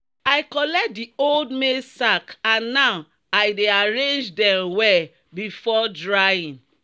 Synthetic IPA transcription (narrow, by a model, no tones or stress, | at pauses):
aɪkɔlɛk̚dioldmesakãnːaw | ajdeaɹẽnd͡ʒdɛ̃mwɛ | bifɔdɹajĩn